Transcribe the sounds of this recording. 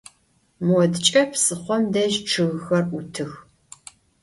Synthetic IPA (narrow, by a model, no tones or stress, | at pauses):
mwɔdt͡ʃʼɐpsɨχʷɔmdɐʒʈ͡ʂʰɨɣxɐrutʰɨx